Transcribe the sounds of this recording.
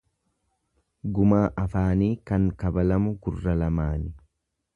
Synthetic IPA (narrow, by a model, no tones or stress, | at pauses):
ɡʊmaːʔɐfaːniːkɐŋkɐbɐlɐmʊɡʊrːɐlɐmaːnɪ